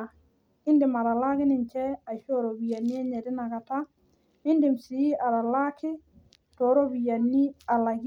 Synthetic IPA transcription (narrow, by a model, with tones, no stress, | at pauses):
ɪ˦ndɪ˨ma˨ɾa˨la˦kɪ˦nɪ˨ɲt͡ʃɛ˦a˨t͡ʃɔ˦ɾo˨bi˨ja˨ni˦ɛ˦ɲɛ˨dɪ˦na˨ɡa˨ta˦ | ɪ˦ndɪ˨msi˨i˦ʔa˨ɾa˨la˦kɪ˦ | tɔ˨ɾo˦bi˨ja˨ni˦a˨la˨ɡ